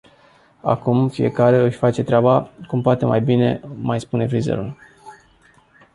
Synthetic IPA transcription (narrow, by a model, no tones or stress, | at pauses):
a̰kumfie̞̰kaɾe̞ɨʃʲfat͡ʃe̞t̪ɾeabakumpoat̪e̞mʔajbine̞̰majspune̞fɾizḛɾṵl